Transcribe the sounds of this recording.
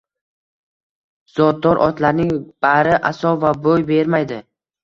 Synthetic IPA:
z̥ɒd̪̚d̪ɒɾʔɒt̪laɾnɪŋb̥aɾɪʔasɒvabojbe̞ɾmajd̪ɪ

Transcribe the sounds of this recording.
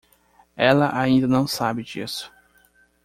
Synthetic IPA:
ɛlɐʔaĩnd̪ɐnɐ̃w̃sabɪd͡ʒḭsʊ̥

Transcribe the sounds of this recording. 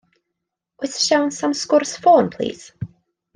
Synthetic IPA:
wɪtʃãnsʌ̃mskɔɹsfɔnpʰl̥ḭːz̥

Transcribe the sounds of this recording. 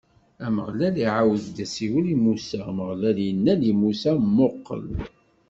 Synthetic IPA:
æmə̰ʁlæliʕawəðd̪æsiwəlimusæməʁlæljənːælimusæmːoqːə̰l

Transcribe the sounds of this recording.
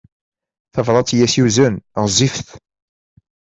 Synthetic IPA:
θəvɾˤɑt͡sːjæsjuzənʁəzːifθ

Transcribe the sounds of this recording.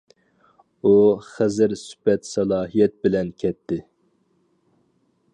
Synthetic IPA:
uχæzɪɾsy̥pɛt̪sɛlˠɑːɦijɛt̪̚bɪlɛnkʲʰɛt̪ʰːɪ

